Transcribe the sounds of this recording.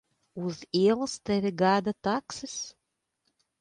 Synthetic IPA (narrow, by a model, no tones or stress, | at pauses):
uziɛlˠɨst̪ɛvʲiɡad̪at̪aksɨs